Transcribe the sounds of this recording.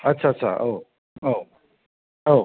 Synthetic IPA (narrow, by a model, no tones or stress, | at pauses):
ɐtːt͡ʃʰaɐtːɕʰa̰ʔo | o | o